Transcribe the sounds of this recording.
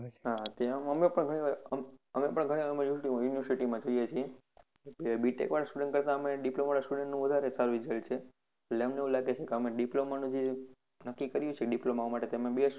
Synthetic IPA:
ɦat̪eməmepəɳɡʱəɽ̃iʋaɾəməmepəɳɡʱəɽ̃iʋamejuʈimajuniʋəɾsiʈimãd͡ʒojet͡ʃʰie | ebebiʈḛkʋaɽasʈuɽẽɳʈkəɾt̪aəmeɖiplomaɾasʈuɽẽɳʈnũʋəd̪ʱaɾesaɾuɾid͡ʒəlt͡ʃʰe | əleəmneũlaɡet͡ʃʰekeəmeɖiplomanũd͡ʒe | nəkːikəɾjũt͡ʃʰekeɖiplomaʋamaʈet̪eəmẽbe

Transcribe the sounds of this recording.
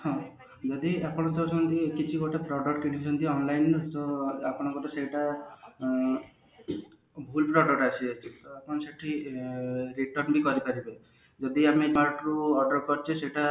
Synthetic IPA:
hɔ̃ | d͡ʒɔd̪iapɔɽ̃ɔd̪ɔɾsɔnt̪ikit͡ʃʰiɡɔʈapɾɔɖɔkʈiʈiisɔnt̪iɔnlajnt̪ɔapɔɽ̃ɔkɔʈeseʈa | bʱulpɾɔɖɔk̚ʈat͡ʃʰiiapɔñɔsaʈʰi | ɾiʈɔɾnbikɔɾipaɾibe | d͡ʒɔd̪iamesmaɾʈɾuɔɾɖɔɾkɔɾt͡ʃʰeseʈa

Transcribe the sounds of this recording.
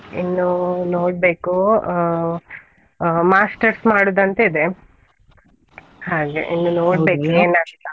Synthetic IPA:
ḭnːunoːɽbeːku | maːsʈɐɾsmaːɽud̪ɐnt̪eid̪e̞ | haːɡḛʔinːuno̞ːɽbe̞ːkeːnaːɡit̪ːa

